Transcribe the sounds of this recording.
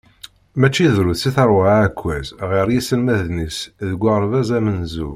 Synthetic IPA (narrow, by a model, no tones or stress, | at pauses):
mæt͡ʃːiðɾuθsiθəɾˤwaækʷːæzʁiɾjisəlmæðnisðəɡʷːəʁɾvæzæmənzṵ